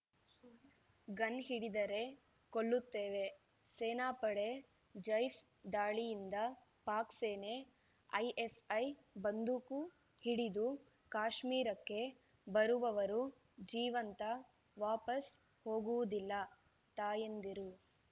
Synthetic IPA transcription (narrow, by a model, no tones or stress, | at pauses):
ɡɐnɦiɽid̪ɐɾe̞ | koɭːut̪ːeːʋe̞ | seːnaːpɐɽe | d͡ʒɐjfʰ | d̪aːɭijind̪ɐ | paːkseːne̞ | ɐjʔesɐjbɐnd̪ʱuku | hiɽid̪u | kaːʃmiːɾɐkːe̞ | bɐɾuʋɐʋɐɾu | d͡ʒiːʋɐnt̪ɐ | ʋaːpɐs | ho̞ːɡuʋud̪ilːɐ | t̪aːjend̪iɾu